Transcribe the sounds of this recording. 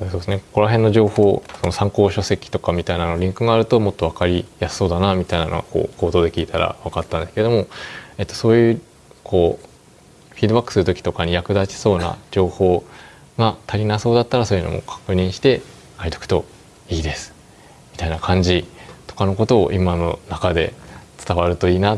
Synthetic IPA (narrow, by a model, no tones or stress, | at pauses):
od̪esod̪esɨneko̞ɾaɦẽ̞nːo̞ʑo̞ːho̞ːso̞no̞sãŋko̞ːɕo̞se̞kʲi̥t̪o̞kamʲit̪ainanoɾʲĩŋkɯ̟ɡaːɾɯ̟t̪o̞mot̪ːo̞βakaɾʲijasːo̞ːd̪anamʲit̪aina̰no̰ɡa̰ko̞̰ːko̞ːt̪o̞ːd̪e̞kʲiːt̪aɾa̰βakat̪ːãnd̪esked̪o̞mo̞e̞t̪ːo̞̥so̞ːjɯ̟ː | kʰo̞ː | ɸʲiːd̪obakːɯ̟̥sɨɾɯ̟t̪okʲi̥t̪o̞kaɲ̟ijakɯ̟d̪at͡ɕi̥so̞ːna̰d͡ʑo̞ːho̞ː | ɡat̪ʰaɾʲinaso̞ːd̪at̪ːaɾaso̞ːjɯno̰mo̞̰kʰḁkɯ̟ɲ̟ĩɰ̃ɕi̥t̪e̞ | kait̪okt̪o̞ | iːd̪e̞sɨ̥ | mʲi̥t̪ainakʰãɲ̟d͡ʑit̪o̞kano̞ko̞t̪o̞̰ːʔimano̞nakad̪e̞t͡sɨ̥t̪aβaɾɯ̟t̪o̞iːna